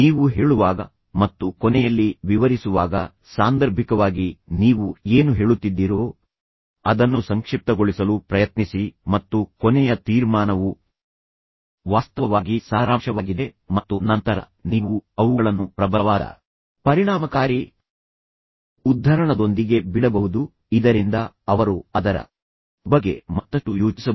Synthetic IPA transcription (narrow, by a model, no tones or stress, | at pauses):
niːʋuɦe̞ːɭuʋaːɡɐ | mɐt̪ːukɔnɛjɐlːiʋiʋɐɾisuʋaːɡɐ̰ | saːnd̪ɐɾbʱikɐʋaːɡiniːʋueːnuɦe̞ːɭut̪ːid̪ːiɾoː | ɐd̪ɐnːusɐŋkʂip̚t̪ɐɡoɭisɐlupɾɐjɐt̪nisimɐt̪ːukɔnɛjɐt̪iːɾmaːnɐʋu | ʋaːst̪ɐʋɐʋaːɡisaːɾaːmʂɐʋaːɡid̪e | mɐt̪ːunɐnt̪ɐɾɐ̰ | niːʋuɐʋuɡɐɭɐnːupɾɐbɐʋaːd̪ɐ̰ | pɐɾiɳaːmɐkaːɾi | ud̪ʱːɐɾɐɳɐd̪o̞nd̪iɡe̞biɽɐbɐʋud̪u | id̪ɐɾind̪ɐ | ɐʋɐɾuɐd̪ɐɾɐ̰ | bɐɡːe̞̰mɐt̪ːɐʂʈujoːt͡ʃisɐ